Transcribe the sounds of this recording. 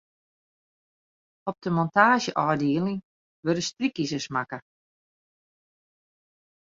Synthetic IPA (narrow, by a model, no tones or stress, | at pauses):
ɔp̚dəmɔntaːʒjəʔɔːdiːələŋ | ʋødəstrikisəsmakə